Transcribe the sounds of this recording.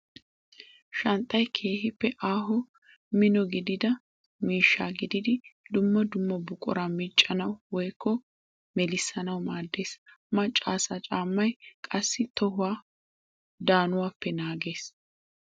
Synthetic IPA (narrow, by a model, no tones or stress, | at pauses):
ʃɐnt̪ʼːɐjkʰe̞ːhɪpːɛʔaːɦɔ | mɪnɔɡɪd̪ɪd̪ɐ | miːʃːaːɡɪd̪ɪd̪ɪd̪ʊmːɐd̪ʊmːɐbʊkʼʊ̰ɾamit͡ʃʼːɐnɐwwɔjkʰːɔ | mɛlɪsːɐnɐwmaːd̪ːe̞ːs | mɐt͡ʃʼːaːsat͡ʃʼaːmːɐjkʼɐsːɪt̪ɔɦʊwaː | d̪aːnʊwaːpːɛnaːɡe̞ːs